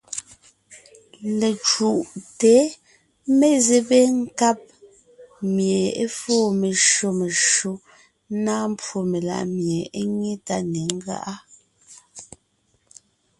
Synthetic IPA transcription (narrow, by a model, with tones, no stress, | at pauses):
le˨t͡ʃu˨ʔte˨˦ | me˦˨ze˨be˦ŋ̩˦ka˦˨p̚ | mje˨e˦fɔː˦˨me˨ʃo˨me˨ʃo˦ | naː˦m˦pwo˨me˨la̰˨ʔmje˨e˦ɲe˦ta˦ne˨ŋ̩˦ɣa̰˦ʔa˦